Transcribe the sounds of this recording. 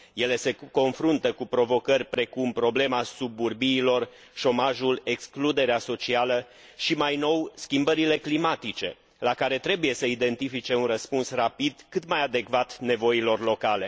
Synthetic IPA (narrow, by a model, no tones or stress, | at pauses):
je̞le̞se̞ko̞nfɾunt̪əkupɾo̞vo̞kərʲpɾe̞kumpɾo̞ble̞masubːurbiːlo̞r | ʃo̞maʒule̞ksklud̪e̞ɾeaso̞t͡ʃialə | ʃimajno̞wskʲimbəɾile̞klimat̪it͡ʃe̞ | lakaɾe̞t̪ɾe̞buje̞səid̪e̞nt̪ifit͡ʃe̞unrəspunsrapid̪kɨt̪majad̪e̞kvat̪ne̞vo̞ilo̞rlo̞kale̞